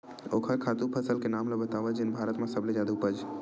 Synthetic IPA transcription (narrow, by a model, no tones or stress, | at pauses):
okʰəɾkʰat̪upʰəsəlkenamləbət̪aʋəd͡ʒɪnbʱaɾət̪mẽsəbled͡ʒad̪uupəd͡ʒ